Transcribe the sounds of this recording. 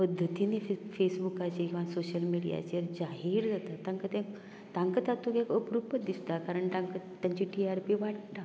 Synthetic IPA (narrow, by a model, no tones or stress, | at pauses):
pəd̪ʱːət̪inefesbukat͡ɕekĩw̃ʋasoɕəlmiɽija̰t͡ɕəɾd͡ʑaɦiːɾd͡zat̪at̪ːãŋkət̪ẽ | t̪ãŋkət̪ãt̪ːũkekəpɾupːəd̪ist̪akaɾəɳt̪ãŋkət̪ːaɲt͡ɕiʈiaɾpiʋaʈt̪a